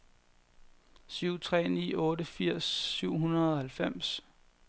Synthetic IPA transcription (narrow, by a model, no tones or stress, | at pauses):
syʊ̰t͡sʰʁɛ̰ːnḭːɔ̽ːɾəfiɐ̰sːyʊ̰ɦunɐðˠɒhælfem̰s